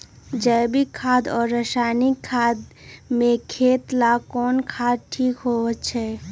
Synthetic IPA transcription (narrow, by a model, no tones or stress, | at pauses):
d͡ʒəːbikʰaːd̪ɔːɾːəʃaːnikʰːaːd̪mẽkʰeːt̪lakɔːnkʰaːd̪̚ʈʰiːkɦoːt͡ʃʰɛː